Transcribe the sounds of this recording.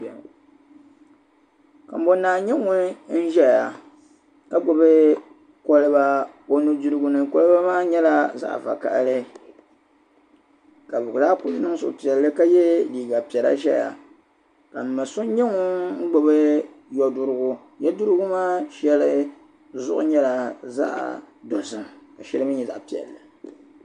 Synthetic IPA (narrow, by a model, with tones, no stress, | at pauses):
ka̰˨m̩˦bo˨˦nːaː˨ɲɛ˦ŋʊ˦n˦n̩˦ʒɛ˦˨a˨ | ka˦ɡ͡bo˨bɨ˦ | kɔ˦lɨ˦ba˦ | o˦nu˦du˦ɾɨ˦ɡʊ˦nɨ˨kɔ˦lɨ˦ba˦maː˦ɲɛ˦la˦za̰ː˦˨ʔva̰˨ka̰˨ʔlɨ˦ | ka˨bʊ˨ɡdaː˦kʊ˦nɨ˦ŋ˦sʊ̰˨pi˨ɛ˨llɨ˦ka˦jɛ˦liː˨ɡa˨pi˨ɛ˨la̰˦ʃɛ̰˦ja̰˨ | ka˨m̩˨ma˨so˦ɲɛ˦ŋʊ˦ŋ̩˦ɡ͡bo˨bɨ˦ | jɔ˨dʊ˦ɾʊ˦ɡʊ˦ | jɛ˦du˦ɾɨ˦ɡʊ˦maː˦ʃɛ˦lɨ˦ | zʊ̰˦ʔʊ̰˦ɲɛ˦la˨za̰˦ʔ | do˨sɨ˨ka˨ʃɛ˦lɨ˦mɨ˦ɲɛ˨za̰˨ʔpi˨ɛ̰˨lːɨ˨